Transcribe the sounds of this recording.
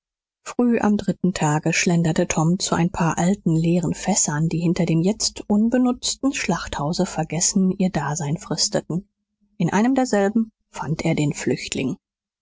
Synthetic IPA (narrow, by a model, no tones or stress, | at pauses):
fʁ̥yːʔa̰mdʁɪtn̩tʰaːɡəʃlɛndɐtətʰɔmt͡suʔa̰ɪnpʰaːɐʔalt̚n̩leːʁ̞ənfɛsɐndiːhɪntɐdeːmjɛt͡stʔʊnbənʊt͡stn̩ʃlaχthaʊzəfɛɐɡɛsn̩ʔiːɐdaːzaɪnfʁ̥ɪstətn̩ | ʔɪnʔa̰ɪnəmdeːɐzɛlbm̩ | fantʔeːɐdeːnflʏçtʰlɪŋ